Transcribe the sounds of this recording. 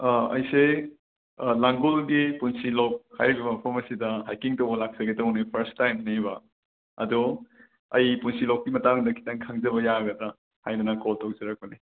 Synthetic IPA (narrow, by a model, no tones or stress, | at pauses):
ɐ̰jse | laŋɡolɡipunsilowk̚hajɾibɐbɐpʰɔmɐsidɐɦajkiŋtɐwbɐlak̚sɐɡetɐwnipʰɐɾstajmnebɐ | ɐ̰dɔ | ɐjpunsilokːimɐtaŋdɐkʰi̥taŋkʰaŋzɐβɐjaɡɐdɐ | hajdɐnɐkoltok̚zɐɾak̚bɐni